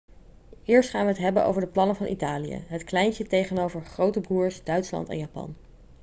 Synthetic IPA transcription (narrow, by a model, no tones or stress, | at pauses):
ɪːɹstχaːnʋəɦətɦɛbənʔo̰wvəɹdəplɑnəvɑnʔḭtaːlijə̰ɦətklɛjnətejχənowvəɹχrowtəbuːɹsdœɥtslɑ̰ntɛ̰njaːpɑ̰n